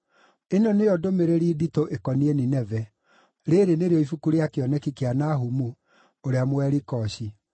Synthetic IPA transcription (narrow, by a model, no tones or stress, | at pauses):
enɔneɔdomeɾeɾiːditoʔekɔnieninɛvɛ | ɾeɾeneɾeɔifukuɾeakeɔnɛkikeanaɦumu | oɾeamwɛɾikɔɕi